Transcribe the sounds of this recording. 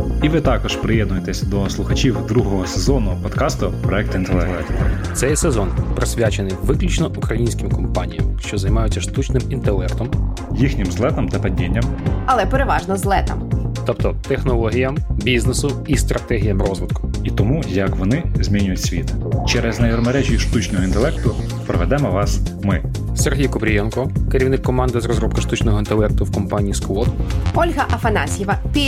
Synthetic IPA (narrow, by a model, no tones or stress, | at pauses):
iʋɪt̪ɑkɔʃpɾɪjɛd̪nʊjet̪ɛsʲɐd̪ɔslˠʊxɐt͡ʃʲiwd̪ɾuɦɔɦɔsezɔnʊpɔt̪kɑst̪ʊpɾɔɛk̚t̪int̪elˠɛlˠɛkt̪t̪sɛjsezɔnpɾɪsʲʋʲjat͡ʃenɪjʋɪklʲut͡ʃnɔʔukɾɐjinʲsʲkɪmkɔmpɑnʲijɐ̰mʃt͡ʃɔzɐjmɑjʊt͡sʲːɐʃt̪ut͡ʃnɪmint̪elˠɛkt̪ɔm | jixnʲɪmzlˠɛt̪ɐmt̪ɐpɐdʲinʲːɐmɐlˠɛpeɾeʋɑʒnɔzlˠɛt̪ɐ̰mt̪ɔpt̪ɔt̪exnɔlˠɔɦʲijɐmbʲiznesʊist̪ɾʔɐt̪ɛɦʲijɐmrɔzʋɪt̪̚kʊ̥it̪ɔmujɐkʋɔnɪzʲmʲinʲʊjʊtʲsʲʋʲḭt̪t͡ʃɛɾɛznɐjɔɾmeɾɛʒʲiʃt̪ut͡ʃnɔɦɔint̪elˠɛkt̪ʊ | pɾɔʋɛd̪ɛmɔʋɑsmɪ | serɦʲijkʊbɾʲijɛnkɔkeɾʲiwnɪkːɔmɑnd̪ɪzɾɔzɾɔpkɐʃt̪ut͡ʃnɔɦɔint̪elˠɛk̚t̪ʊwkɔmpɑnʲijːskwɔt̪ɔlʲɦɐʔɐfɐnɑsʲjɪʋɐpʲi